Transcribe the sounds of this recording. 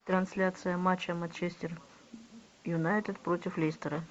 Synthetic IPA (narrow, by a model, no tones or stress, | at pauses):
t̪ɾɐnsʲlʲat̪sɨjəmat͡ɕːəmɐnt͡ɕesʲtʲɪr | jʊnajt̪ɪt̪pɾotʲɪflʲesʲt̪əɾɐ